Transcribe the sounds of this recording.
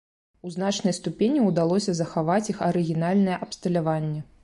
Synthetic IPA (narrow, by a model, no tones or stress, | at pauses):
uznat͡ʂnɐjst̪upʲenʲiwd̪alˠɔsʲɐzɐxavat͡sʲixɐɾɨɣʲinalʲnɐjɛʔɐpst̪ɐlʲavanʲːɛ